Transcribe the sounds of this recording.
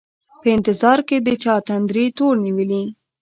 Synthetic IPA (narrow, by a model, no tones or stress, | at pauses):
pəɪnt̪ɪzɑɾked̪ət͡ʃɑt̪and̪ɾit̪oɾniwəli